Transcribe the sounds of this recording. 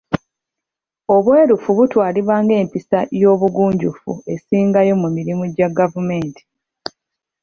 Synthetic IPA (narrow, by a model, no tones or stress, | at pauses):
o̞βwe̞ːɾufuβutwaːliβaːŋɡe̞ːmpisajo̞ːβuɡuːɲɟufṵe̞siːŋɡajo̞mumiɾimuɟaɡavume̞ːntʰi̥